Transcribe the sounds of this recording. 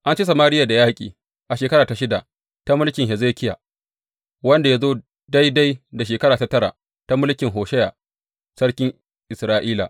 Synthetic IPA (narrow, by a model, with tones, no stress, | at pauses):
ʔa˦nt͡ʃi˦sɐ˨maː˦ɾɪ˦ja˨da˨jaː˦kʲʼḭː˨ | ʔa˨ʃeː˨kɐ˦ɽaː˨ta˨ʃɪ˦da˨ | ta˦mʊ˦lkʲɪ˨ŋɦɛ˨zeː˦kʲɪ˦ja˨ | wɐ˦nda˨ja˦zoː˦ | da˦jda˦jda˨ʃ̬eː˨kɐ˦ɽaː˨ta˦tɐ˦ɽa̰˨ | ta˦mʊ˦lkʲɪ˨ŋɦoː˨ʃɛ˦jaː˨ | sɐ˦ɽkʲɪ˦ŋ | ʔɪ˨sɾaː˦ʔiː˦la˨ʔ